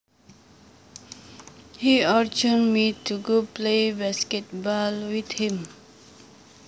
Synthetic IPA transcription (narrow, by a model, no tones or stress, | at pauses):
hiɔɾt͡ʃə̃nmitʰuɡoːplebæskeʈbɔlwid̪hĩm